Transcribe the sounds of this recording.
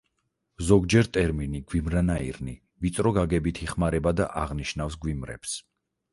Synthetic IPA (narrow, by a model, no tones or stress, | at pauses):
zɔɡd͡ʒɛɾt̪ʼɛɾminiɡwimɾanaḭɾni | vit̪sʼɾɔɡaɡɛbit̪ʰiχmaɾɛbad̪a̰ʔaʁniʃnafsɡwimɾɛ̰b̥s